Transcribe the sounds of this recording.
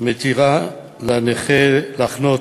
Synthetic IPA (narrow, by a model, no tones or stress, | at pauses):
met̪iʁa | laneχelaχno